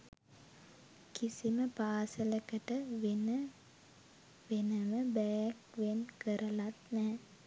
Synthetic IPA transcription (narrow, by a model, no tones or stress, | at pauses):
kisiməpaːsəlekəʈəʋen | ʋenəməbɛjkʋenkəɾəlat̪nɛː